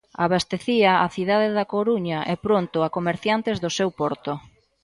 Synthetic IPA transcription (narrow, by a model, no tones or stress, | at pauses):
aβast̪eθiaaθiðaðeðakoɾuɲɐʔɛpɾont̪ʊakomeɾθjant̪ezðʊsewpɔɾt̪ʊ